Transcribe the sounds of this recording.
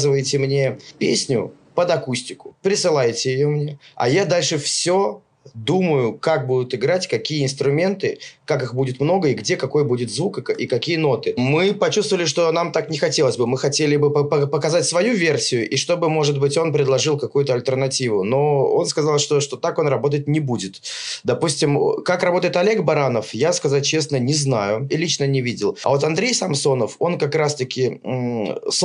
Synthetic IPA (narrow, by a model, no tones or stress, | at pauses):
zɨvəjɪtʲɪmnʲe̞pʲḛsʲnʲʊ̰ | pəd̪ɐkusʲtʲɪkʊ̥pɾʲɪsɨlˠajtʲɪjɪjo̞mnʲe̞ɐ̰jad̪alʲʂɨfsʲo | d̪uməjʊkak̚bud̪ʊt̪ɪɡɾatʲkɐkʲijəɪnst̪ɾʊmʲe̞nt̪ɨkakɨxbudʲɪt̪mno̞ɡəɪɡdʲe̞kɐko̞jbudʲɪt̪zvukəkikɐkʲijəno̞t̪ɨmɨpɐt͡ɕust̪vəlʲɪʂ̬t̪o̞namt̪aknʲɪxɐtʲe̞lˠəsʲbɨmɨxɐtʲelʲɪbɨəpəpəkɐzatʲsvɐjuvʲe̞rsʲɪjʊʔiʂt̪o̞bɨmo̞ʐɨd̪̚bɨtʲo̞npɾʲɪd̪lˠɐʐɨlˠkɐkujʊt̪əɐlʲt̪ʲərnɐtʲivʊno̞o̞nskɐzalˠʂt̪o̞ʂt̪ot̪ako̞nrɐbo̞t̪ət̚ʲnʲɪbudʲɪt̪d̪ɐpusʲtʲɪmkakrɐbo̞t̪əɪt̪ɐlʲe̞ɡbɐɾanəfjaskɐzat̚ʲt͡ɕe̞snənʲɪznajʊilʲit͡ɕnənʲɪvʲidʲɪlˠɐ̰vo̞t̪ɐnd̪ɾʲejsɐmso̞nəfo̞nkɐkɾast̪əkʲɪ | s